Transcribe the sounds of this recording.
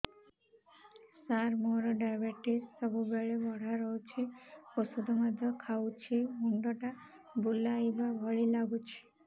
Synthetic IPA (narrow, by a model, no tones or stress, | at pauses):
saɾmoɾɔɖajbeʈisːɔbubɛɭebɔɽ̤ʱaɾɔwt͡ʃʰiosud̪ʱɔmad̪ʱɔkʰawt͡ʃʰiɦuɳɖɔʈa | bulajbabʱɔɭilaɡut͡ʃʰi̥